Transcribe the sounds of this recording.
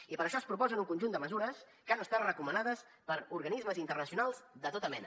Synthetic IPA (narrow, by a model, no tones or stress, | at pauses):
ipəɾəʃɔspɾupɔzənuŋkunʒund̪əməzuɾəs | kanəst̪arəkumənað̞əs | pəɾuɾɣənizməzint̪ərnəsiunalˠzd̪ət̪ot̪əmɛnə